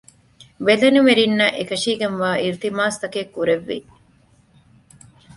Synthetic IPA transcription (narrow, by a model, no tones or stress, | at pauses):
belɐnumeɾinːɐʔekɐʃiːɡenʋaːʔiɾt̪imaːst̪ɐkeːkːuɾeʋːḭ